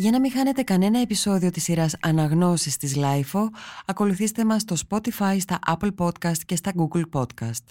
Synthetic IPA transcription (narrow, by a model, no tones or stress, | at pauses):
ʝɐnɐmixɐne̞t̪e̞kɐne̞nɐe̞piso̞ðio̞t̪isːiɾɐsɐnɐɣno̞sist̪izlɐjfo̞ɐko̞luθist̪e̞mɐsːt̪o̞spo̞t̪ifɐjst̪ɐʔɐplpo̞t̪kɐst̪ce̞st̪ɐɡuɡlpo̞t̪kɐst̪